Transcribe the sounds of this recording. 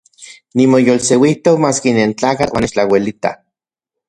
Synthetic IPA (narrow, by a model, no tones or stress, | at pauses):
nimojolsewiht̪okmaːskinent͡ɬaːkat͡ɬwa̰nːet͡ʃt͡ɬawelit̪a̰